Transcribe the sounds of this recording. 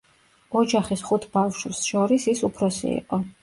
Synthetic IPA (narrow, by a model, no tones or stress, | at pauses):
ɔd͡ʒaχisχut̪ʰb̥afʃsʃɔɾisisupʰɾɔsḭḭqʼɔ